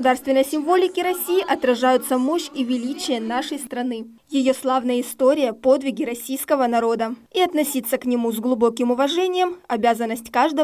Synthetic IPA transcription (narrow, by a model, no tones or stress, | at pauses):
ʊd̪arst̪vʲɪnəjəsʲɪmvo̞lʲɪkʲɪɾɐsʲijɪʔɐt̪ɾɐʐajʊt̪səmo̞ɕivʲɪlʲit͡ɕɪjənaʂəjst̪ɾɐnɨ | jɪjo̞slˠavnəjəɪst̪o̞ɾʲɪjəpo̞d̪vʲɪɡʲɪɾɐsʲijskəvənɐɾo̞d̪əiɐt̪nɐsʲit̪sːəknʲɪmuzɡlˠʊbo̞kʲɪmʊvɐʐɛnʲɪjəmɐbʲazənːəsʲtʲkaʐd̪ə